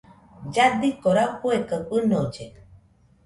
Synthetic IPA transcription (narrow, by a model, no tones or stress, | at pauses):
d͡ʒad̪ikoɾauhuekəpɨnod͡ʒe